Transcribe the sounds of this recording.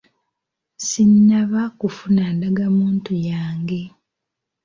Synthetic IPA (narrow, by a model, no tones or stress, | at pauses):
siɲːaβakufunandaɡamuːntujaːŋɡe̞